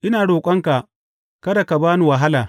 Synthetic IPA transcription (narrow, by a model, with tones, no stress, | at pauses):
ʔɪ˦naː˨ɽoː˨kʷʼɐ˦ŋka˨ | kɐ˦da˨ka˨baː˦nu˨wɐ˨ɦa˦laː˨